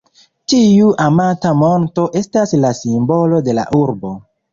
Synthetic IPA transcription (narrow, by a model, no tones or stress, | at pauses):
tiuʔamatamo̞nto̞ʔe̞staslasimbo̞lo̞de̞la̰ʔuɾbo̞